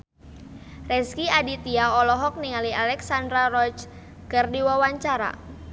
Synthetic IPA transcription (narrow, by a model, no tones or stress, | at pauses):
rɛskiadit̪iaɔlɔɦɔk̚niŋalialɛksandɾarɔt͡ʃ | kərdiwawaɲt͡ʃaɾa̰